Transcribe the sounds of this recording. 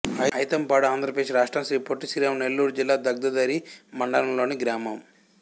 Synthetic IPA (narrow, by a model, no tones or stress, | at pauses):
ɐjɐjt̪ɐmpaːɽuaːnd̪ʱɾɐpɐeːʂʃɾaːʂʈɾamʃɾiːpoʈːisiːɾaːmne̞lːuːɾud͡ʒilːaːd̪ɐɡ̚d̪ɐd̪ɐɾimɐɳɖɐlɐmlo̞ːniɡɾaːmɐm